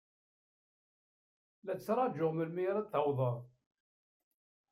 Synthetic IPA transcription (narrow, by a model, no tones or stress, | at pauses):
læt͡sːɾˤɑd͡ʒʊʁməlmiɾˤæt̪əwðˤəɾ